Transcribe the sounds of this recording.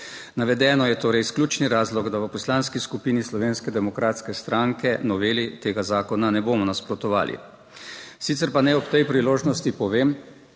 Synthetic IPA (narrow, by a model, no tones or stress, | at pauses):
naʋɛd̪ɛːnɔjɛt̪oːɾɛjsklʲuːt͡ʃniɾaːzlɔɡd̪aʋəpɔslanskiskupiːnislɔʋeːnskɛd̪ɛmɔkɾaːt̪skɛst̪ɾaŋkɛnɔʋeːlit̪eːɡazaːkɔnanɛboːmɔnaspɾɔt̪ɔʋa̰ːlʔḭ | sit̪sɛɾpanɛɔpt̪ɛjpɾiloːʒnɔst̪ipɔʋeːm